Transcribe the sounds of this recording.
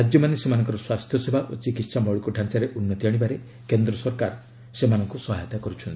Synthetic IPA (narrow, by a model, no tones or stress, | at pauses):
ad͡ʒjɔmanesemanɔ̃ŋkɔɾɔswast̪ʰjɔsebʱaʔot͡ʃikit̪samɔɭikuʈʰant͡ʃaɾeʔunːɔt̪iaɽ̃ibaɾe | kend̪ɾɔsɔɾkaɾ | semanɔŋkusɔɦat̪akɔɾut͡ʃʰɔnt̪ʰi̥